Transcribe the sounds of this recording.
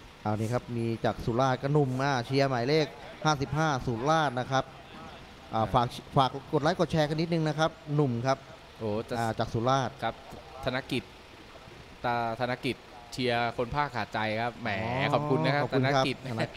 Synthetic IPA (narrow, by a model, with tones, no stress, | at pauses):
ʔaː˨˩niː˦˥˩kʰa˦˥p̚miː˧t͡ɕaː˨˩k̚suː˨˩˦laː˥˩t̪̚ka˥˩nu˨˩mʔaː˧˩t͡ɕʰi˧ɐma˨˩˦jleː˥˩k̚haː˥˩si˨˩p̚ɦaː˥˩suː˨˩˦nlaː˥˩t̪̚na˦˥kʰa˦˥p̚ | ʔaː˨˩faː˨˩k̚faː˨˩kːo˨˩t̪̚laː˦˥jko˨˩t̪̚t͡ɕʰɛː˧kʰa˧nːi˦˥t̪̚nɯ˧ŋna˦˥kʰa˦˥p̚nu˨˩mkʰa˦˥p̚ | ʔoː˨˩aː˧˨˩t͡ɕaː˨˩k̚suː˩˦laː˥˩t̪̚kʰa˦˥p̚t̪ʰa˧na˦˥ki˨˩t̪̚ː | a˧˩t̪ʰa˧na˦˥ki˨˩t̪̚ | t͡ɕʰi˧ɐkʰo˧npʰaː˥˩kʰːaː˨˩t̪̚t͡ɕa˧jkʰa˦˥p̚mɛː˩˦kʰɔ˨pkʰu˧na˦˥kʰa˦ɔ˨˩pt̪ʰːu˧na˦˥ka˦˥ki˨˩t̪̚ʰna˦˥